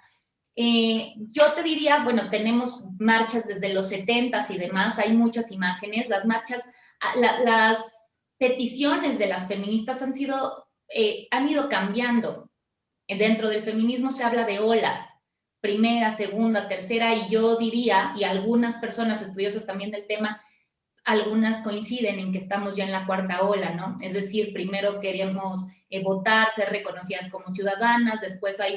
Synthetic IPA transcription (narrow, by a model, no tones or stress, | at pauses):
eɟ͡ʝo̞t̪e̞ðiɾiaβwe̞no̞t̪e̞nẽ̞mo̞zmaɾt͡ʃazðe̞zðe̞lo̞sːe̞t̪e̞nt̪asiðe̞masajmut͡ʃasimaxe̞ne̞slazmaɾt͡ʃas | alalas | pe̞t̪isjo̞ne̞zðelasfe̞mĩnist̪asansið̞o̞ | eanið̞o̞kambjand̪o̞̰ | d̪e̞nt̪ɾo̞ðe̞lfe̞mĩnizmo̞se̞aβlaðe̞o̞la̰s | pɾime̞ɾase̞ɣund̪at̪e̞ɾse̞ɾaiʝo̞ðiɾiaialɣunaspe̞ɾso̞nase̞st̪uð̞jo̞s̬ast̪ambje̞nd̪e̞lt̪e̞ma | alɣunasko̞insiðe̞ne̞ŋk̬eːst̪amo̞zʝjae̞nlakwaɾt̪ao̞lano̞e̞zðe̞siɾpɾime̞ɾo̞ke̞ɾemo̞s | eβo̞t̪aɾse̞ɾre̞ko̞no̞siðasko̞mo̞s̬juð̞aðanazðe̞spwe̞saj